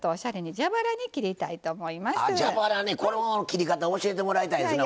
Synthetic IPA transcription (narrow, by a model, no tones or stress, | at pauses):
t̪oːɕaɾe̞ɲ̟id͡ʑabaɾaɲ̟ikʲiɾʲit̪ait̪o̞ːmo̞imasɨd͡ʑabaɾaneko̞ɾkʲiɾʲikat̪aoɕie̞t̪̬e̞mo̞ɾait̪aisɨna